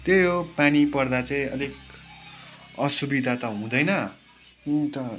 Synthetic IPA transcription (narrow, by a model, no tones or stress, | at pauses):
t̪jojopanipʌrd̪at͡saĩʌd̪ʱik | ʌsubid̪ʱat̪ʌɦũd̪ʌjnʌ | t̪ʌ